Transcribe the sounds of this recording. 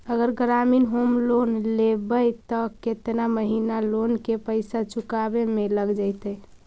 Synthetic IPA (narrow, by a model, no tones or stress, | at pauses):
əɡəɾɡɾaminɦomlonlebəjt̪ɔket̪naməɦinalonkepəɪsat͡ʃukabemeləɡd͡ʒajt̪əj